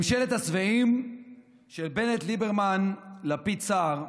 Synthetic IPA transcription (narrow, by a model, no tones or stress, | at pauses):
mʃelet̪hasveim | ʃelbe̞net̪libeʁmanlapit͡saʁ